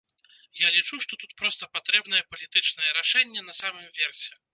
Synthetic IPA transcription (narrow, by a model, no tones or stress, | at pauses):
jalʲit͡ʂuʂt̪ɔt̪ut̪̚pɾɔst̪ɐpat̪ɾɛbnɐjɛpɐlʲit̪ɨt͡ʂnɐjɛɾaʂɛnʲːɛnɐsamɨmvʲɛrsʲɛ